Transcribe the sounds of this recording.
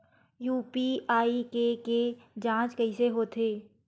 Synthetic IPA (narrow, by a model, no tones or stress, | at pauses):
juːpiaːikeked͡ʒãːt͡ʃkəɪseɦoːt̪ʰeː